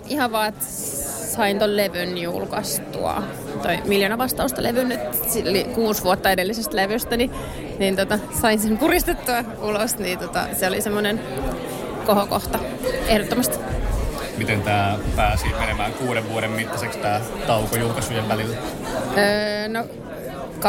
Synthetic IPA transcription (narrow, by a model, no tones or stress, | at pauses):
ihɑʋʋɑːet̪ | sɑint̪olleʋynjṵlkɑst̪ṵɑ̰ | t̪oimiljonɑʋɑst̪ɑust̪ɑleʋynːyt̪ | sillikuːsʋuot̪ːɑedelːisest̪leʋyst̪æni | niːnt̪ot̪ɑ | sɑinsempurist̪et̪ːuɑ | ulosniːt̪ot̪ɑ̰seolisemːonen | kohoko̰ht̪ɑ | ehdot̪ːomɑst̪ | mit̪ent̪æːpæːsimenemæːŋkuːɾeʋʋuoɾemmit̪ːɑsekst̪æː | t̪ɑukojulkɑsujeʋʋælilːæ | əːno | k